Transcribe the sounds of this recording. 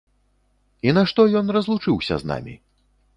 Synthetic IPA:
inaʂt̪ɔjɔnrɐzlˠut͡ʂɨwsʲɐ̰zna̰mʲḭ

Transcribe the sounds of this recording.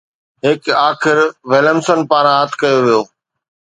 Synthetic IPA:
ɦɪkaːxɪɾʋeləmsənpaːɾãət̪ʰkɐjoʋijoː

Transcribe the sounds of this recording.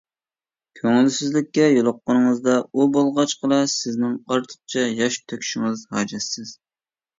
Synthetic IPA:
kʲʰøŋɪlsɪzlɪkʲːɛjolˠʊqːənɨŋɨzd̪ɑubolˠʁɑt͡ʃqʰəlˠɑsɪznɪŋqʰɑɾt̪ʰə̥χ̚t͡ʃʰɛjɑʃ̚t̪ʰøkʲʰy̥ʃɪŋɨzhɑːd͡ʒɛsːɪz̥

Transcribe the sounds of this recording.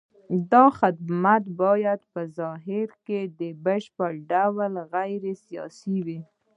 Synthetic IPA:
d̪ɑxɪd̪mat̪bɑjad̪pəzɑɦɪɾked̪əbəʃpəɽɖawlɣajɾesijɑ̰siwi

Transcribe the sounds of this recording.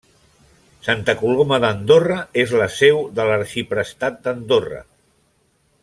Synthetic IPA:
sant̪əkuloməðənd̪orəezləsɛwðələɾʃipɾəst̪at̪̚d̪ənd̪orə̰

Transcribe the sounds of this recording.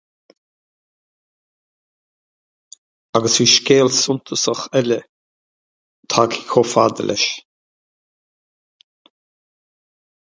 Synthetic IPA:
aɡəsiʃkeːlsʊnt̪ʰəsəχɛlə | t̪ʰaːkʰi̥kʰofaːd̪əlʔɛ̰ʃ

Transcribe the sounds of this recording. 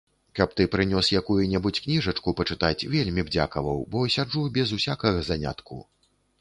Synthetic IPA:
kɐp̚t̪ɨpɾɨnʲɔsjakujunʲɛbut͡sʲknʲiʐɐt͡ʂkupɐt͡ʂɨt̪at͡sʲvʲelʲmʲibd͡zʲa̰kɐvɐwbɔsʲad͡ʐubʲɛzusʲakɐɣɐzanʲa̰t̪kṵ

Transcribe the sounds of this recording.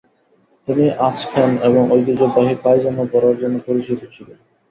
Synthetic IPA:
t̪iniʔaʃkʰaneboŋojt̪ed͡ʑobaɦipajd͡ʑanːobɔɾaɾd͡ʑonːopoɾit͡ɕit̪ot͡ɕʰile

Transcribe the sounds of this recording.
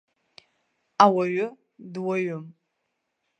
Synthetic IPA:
awaɥʊ | dwaɥʊm

